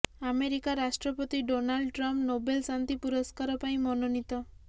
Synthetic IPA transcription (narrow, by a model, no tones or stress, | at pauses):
ameɾikaɾasʈɾɔpɔt̪iɖonaɭɖʈɾampnobelsant̪ipuɾɔskaɾɔpaĩmɔnɔnit̪ɔ